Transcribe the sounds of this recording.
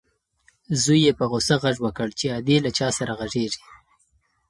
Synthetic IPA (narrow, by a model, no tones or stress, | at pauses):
zujːepəɣosaɣaʐwəkəɽt͡ʃead̪elat͡ʃɑsaɾaɣaʐeʐi